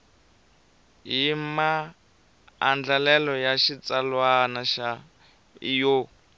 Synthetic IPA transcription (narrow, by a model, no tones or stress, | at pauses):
ɦima | nd͡ɮalɛlɔjaʃit͡salwanaʃa | ijo